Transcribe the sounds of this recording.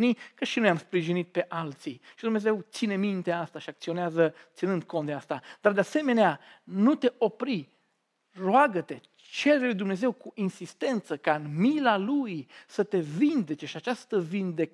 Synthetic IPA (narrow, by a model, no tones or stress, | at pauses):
nikəʃinojamspɾiʒinit̪̚pe̞ʔalt̪siʃid̪umne̞ze̞wt̪sine̞mint̪e̞ast̪aʃiakt̪sio̞neazət̪sinɨnd̪̚kʰo̞nt̪d̪east̪ad̪̥ard̪ease̞me̞nea | nut̪e̞ʔo̞pɾi | roaɡət̪e̞ | t͡ʃe̞ɾelujd̪umne̞ze̞wkuʔinsist̪e̞nt̪səkaɨnmilalujsət̪e̞vind̪e̞t͡ʃe̞ʃiat͡ʃast̪əvind̪e̞k